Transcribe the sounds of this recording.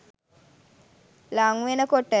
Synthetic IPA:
laŋʋenəkoʈə

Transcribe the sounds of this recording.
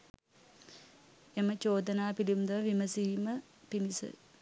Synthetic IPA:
emət͡ʃoːd̪ənaːpilimd̪ɐʋɐʋiməsiːmə | pinisə̰

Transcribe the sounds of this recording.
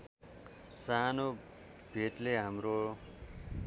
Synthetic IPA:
sano | b̥ʱetleɦamɾo

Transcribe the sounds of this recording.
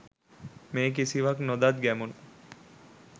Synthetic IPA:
meːk̬isiʋaknod̪at̪̚ɡæmunu

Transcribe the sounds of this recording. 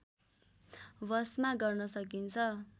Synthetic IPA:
wʌsmaɡʌrnʌsʌk̬int͡sʰʌ

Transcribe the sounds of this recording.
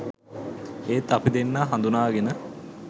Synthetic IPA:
eːt̪ːapid̪enːaːɦand̪unaːɡenə

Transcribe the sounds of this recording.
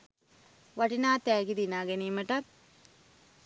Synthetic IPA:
ʋaʈinaːt̪æːɡid̪inaːɡeniːməʈɐk

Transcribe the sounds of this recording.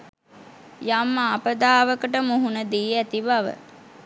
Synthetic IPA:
jamːaːpəd̪aːʋəkəʈəmuɦunəd̪iːæt̪ibaʋə̰

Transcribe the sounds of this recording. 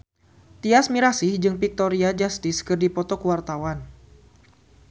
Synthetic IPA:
t̪iasmiɾasihd͡ʒɨŋpik̚t̪ɔɾiad͡ʒast̪iskɨrdipɔt̪ɔkuwart̪awan

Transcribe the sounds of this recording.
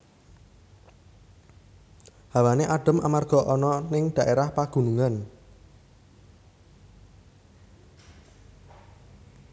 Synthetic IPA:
hawaneʔaɖ̥ə̤mʔa̰marɡ̥ɔ̤ʔɔnɔnɪŋɖ̥ä̤ʔeɾahpaɡ̥ṳnuŋan

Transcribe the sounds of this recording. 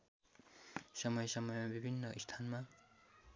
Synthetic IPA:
sʌmʌjsʌmʌjmabibʱinːʌʔist̪ʰanma

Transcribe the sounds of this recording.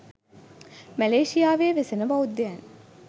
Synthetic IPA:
mæleːʃijaːʋeːʋesenəʋɐud̪ːeæn

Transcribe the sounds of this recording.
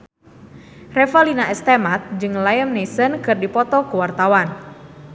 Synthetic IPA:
rɛfalinaʔɛst̪emat̪̚d͡ʒɨŋlajəmnesənkɨrdipɔt̪ɔkuwart̪awan

